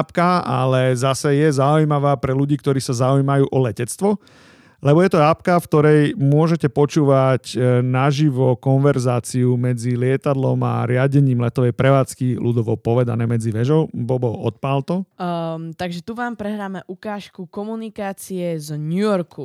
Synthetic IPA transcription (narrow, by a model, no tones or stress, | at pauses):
pkaa̰lɛzasɛjɛzaujmaʋaːpɾɛluɟiːkt̪ɔɾiːsazaujmajuːʔɔlɛcɛt͡st̪ʋɔ | lɛbɔjɛt̪ɔaːpkafkt̪ɔɾɛjmʊɔʒɛcɛpɔt͡ʃuːʋacnaʒiʋɔkɔnʋɛɾzaːt͡siumɛd͡zilɪɛt̪ad̪lɔma̰ɾɪaɟɛɲiːmlɛt̪ɔʋɛjpɾɛʋaːt͡skilud̪ɔʋɔpɔʋɛd̪anɛːmɛd͡ziʋɛʒɔʊbɔbɔɔt̪̚palt̪ɔ | t̪aɡʒɛt̪uʋaːmpɾɛɦɾaːmɛʔukaːʃkukɔmunikaːt͡siɛzɲujɔɾku